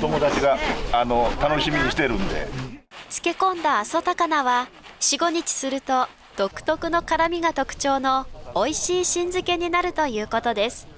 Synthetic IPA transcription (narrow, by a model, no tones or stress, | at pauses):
t̪o̞mo̞d̪at͡ɕiɡaːno̞t̪ano̞ɕimʲiɲiɕi̥t̪e̞ɾɯ̟̃nd̪e̞̰t͡sɨ̥ke̞kõ̞nd̪aːsot̪akanaβa | ɕiɡo̞ɲ̟it͡ɕi̥sɨɾɯ̟t̪o̞ | d̪̥o̞kɯ̟̥t̪o̞kɯ̟no̞kaɾamʲiɡat̪o̞kɯ̟̥t͡ɕo̞ːno̞ːiɕiːɕĩnd͡zɨke̞ɲ̟inaɾɯ̟t̪o̞jɯ̟ːko̞t̪o̞d̪e̞sɨ̥